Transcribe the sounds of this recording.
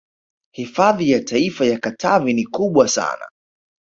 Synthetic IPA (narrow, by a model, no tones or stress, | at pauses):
hifaðijatʰaifajakatʰavinikuɓwasa̰na̰